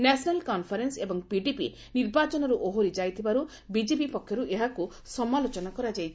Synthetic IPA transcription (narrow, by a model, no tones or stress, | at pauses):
nɛsnalkɔnpʰaɾensebɔŋpiɖipḭ | niɾbat͡ʃɔnɔɾuʔoɦoɾid͡ʒajt̪ʰibaɾu | bid͡ʒebipɔkʰjɔɾuʔeɦaku | sɔmalot͡ʃɔnakɔɾad͡ʒajt͡ʃʰ